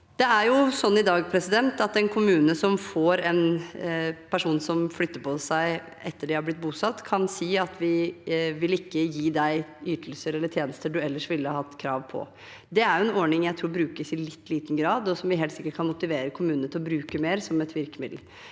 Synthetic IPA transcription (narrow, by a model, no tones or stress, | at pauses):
d̪̥ɛæɾjʊsɔnːɪd̪ɑːɡpʰɾɛsɪd̪ɛnt̪ɑt̪ɛnkʰʊmʉːnəsɔmfoɾɛn | pʰæʂuːnsɔmflʏt̪ːəpʰɔsæɪ | ɛt̪ːəɖɪhɑɾb̪lɪt̪̚ːbuːsɑt̪ːkʰɑnsiːɑt̪ʰʋɪʋɪlɪkːəjiːd̪æɪyːt̪əl̩səɾɛlːəʈ̪ʰjeːnəst̪əɖʉɛlːəʂʋɪlːəhɑhɑt̪ːkʰɾɑ̰ːʋpʰɔ̰ | d̪ɛæɾjʊɛnɔɾɳɪŋjæɪt̪ʰɾuːɾbɾʉːkəsɪlɪt̪ːliːt̪n̩ɡɾɑːd̪ɔsɔmʋɪɦeːlt̪sɪkːəʈ̚kʰɑnmʊt̪ɪʋeːɾəkʰʊmʉːnət̪ɪlɔbɾʉːkəmeːɾsɔmɛt̪ʋɪɾkəmɪd̪l̩